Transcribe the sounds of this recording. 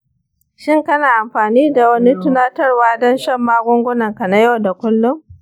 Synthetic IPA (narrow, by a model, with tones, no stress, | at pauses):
ʃɪ˦ŋkɐ˦naː˨ʔa˨mɸaː˨niː˦da˨wɐ˦ni˦tʊ˦naː˦tɐ˦rwaː˦dɔ˦nʃɐ˦mːaː˦ɡʷʊ˦ŋɡʷʊ˦nɐ˨ŋka˨na˦jɐ˦wda˨kʷʊ˦lːʊ˦m